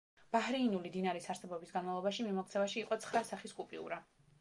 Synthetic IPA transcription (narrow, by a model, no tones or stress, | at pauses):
b̥ahɾiːnulid̪inaɾisaɾsɛbɔbisɡanmavlˠɔbaʃimimɔk̚t̪sʰɛvaʃiːqʼɔt̪sʰχɾasaχiskʼupʼḭṵɾa